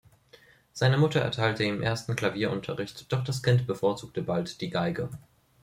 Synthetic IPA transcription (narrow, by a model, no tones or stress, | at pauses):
z̥aɪnəmʊtɐʔɛ̰ɐtʰaɪltəɪmʔeːɐstn̩kl̥aviːɐʔʊntʰɐʁɪçtd̥ɔχd̥askɪntb̥əfoːɐt͡suːk̚təbaltd̥iːɡaɪɡə